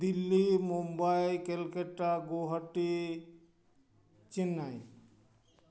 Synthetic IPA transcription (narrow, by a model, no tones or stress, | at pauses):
d̪ilːimumbajkelkeʈːaɡoɦəʈːi | t͡ʃinːaj